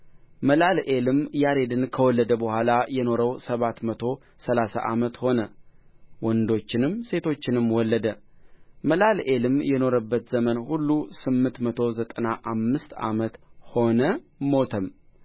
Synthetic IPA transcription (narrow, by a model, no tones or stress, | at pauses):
məlalʔelɨmjaɾe̞d̪ɨnkʰəwɔlːəd̪əbəhʷalajɛno̞ɾəwsəβat̪mət̪ʰo̞ | səlasa̰ʔamət̪ho̞nə | wɔnd̪o̞t͡ʃːɪnɨmse̞t̪ʰo̞t͡ʃːɪnɨmwɔlːəd̪ə | məlalʔelɨmjɛno̞ɾəbːət̪zəmənhulːusɨmːɨnt̪mət̪ʰo̞zət̪ʼənaʔamːɨst̪a̰mət̪ho̞nəmo̞t̪ʰəm